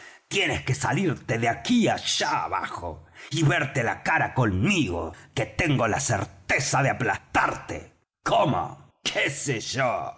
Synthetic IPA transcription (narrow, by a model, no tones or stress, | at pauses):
t̪je̞neskesaliɾt̪eðeakiaʒ̥aaβa̰xo̰iβeɾt̪e̞la̰kaɾako̞nmiɣo̰ket̪eŋɡo̞la̰sḛɾt̪esaðeaplast̪aɾt̪ḛ | komo̰ | kʰeseʒ̥o